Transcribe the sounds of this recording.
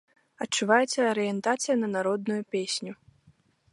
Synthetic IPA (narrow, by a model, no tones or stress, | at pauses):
ɐtt͡ʂːuvajɛt̪sʲɐɐɾɨjɛnt̪at̪sɨjɐnɐnaɾɔd̪̚nujupʲesʲnʲu